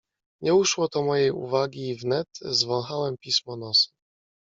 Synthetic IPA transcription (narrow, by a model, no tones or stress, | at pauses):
ɲɛuʂwɔt̪ɔmɔjejṵvaɡʲiːvnɛt̪zvɔ̃w̃xawɛmpʲismɔnɔsu̥